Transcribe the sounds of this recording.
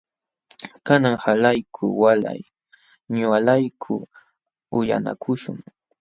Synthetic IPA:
kanaŋhalajkʰʊwala̰j | ɲalajkʰʊ | ʊja̰na̰kʰʊʃʊ̰ŋ

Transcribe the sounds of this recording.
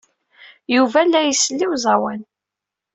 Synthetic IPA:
juvælːæjəsəlːiwzˤɑwæn

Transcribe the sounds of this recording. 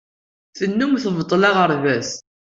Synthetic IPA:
θənːumθəvət̪ˤːlɑʁəɾvæs

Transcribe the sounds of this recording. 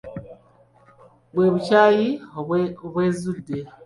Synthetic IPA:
βweːβucaːjioβweːzudːe

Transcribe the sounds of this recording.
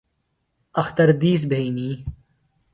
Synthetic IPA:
ɐxt̪əɾd̪iːs̬bʱeiniː

